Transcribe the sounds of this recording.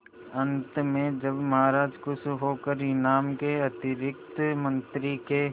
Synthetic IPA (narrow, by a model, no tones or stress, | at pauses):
ɐ̃nt̪mẽd͡ʒɐbmɐɦaːɾaːd͡ʒkʊsʰɦoːkəɾɪnaːmkeɐt̪ɪɾɪk̚t̪mɐ̃nt̪ɾike